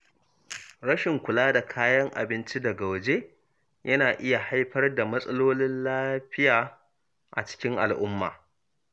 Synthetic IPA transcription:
ɽɐ˦ʃɪ˨ŋkʷʊ˨laː˦da˨kʰaː˦jɐ˦ŋʔa̰˨bɪ˦nt͡ʃi˦dɐ˨ɡa˨wɐ˨d͡ʒe˦ | jɐ˦naː˨ʔɪ˦ja˨ha˦jɸɐ˦rda˨mɐ˦sʼɐ˦loː˦lɪ˦nlaː˦ɸɪ˦jaː˨ | ʔa̰˨t͡ʃɪ̥˦kʲɪ˦ŋʔa̰˨lʔʊ˦mːa̰ː˨

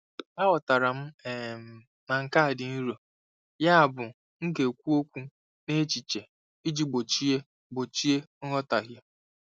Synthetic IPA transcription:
a˦wɔ˨ta˨ɾa˨m̩˦e˨m̩˨ | na˨ŋ̩˨ka˦a˨dɪ˨ni˦ɾo˨ | ja˦a˨bʊ˨ | ŋ̩˦ke˨kʷu˦o˦kʷu˦ | ne˦t͡ʃi˨t͡ʃe˨ | i˦d͡ʒi˦ɡ͡bo˨t͡ʃi˦e˦ | ɡ͡bo˨t͡ʃi˦e˦ŋɔ˦ta˨ɦje˦

